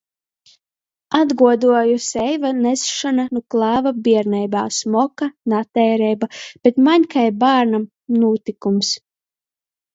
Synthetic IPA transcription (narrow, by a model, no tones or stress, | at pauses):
ad̪ɡuɔd̪uɔjusɛjvanɛsʃananuklˠɑːvabiɛɾnɛjbaːsmɔkanat̪ɛːɾɛjbab̥et̪maɲkajbaːɾnam | nuːt̪ikums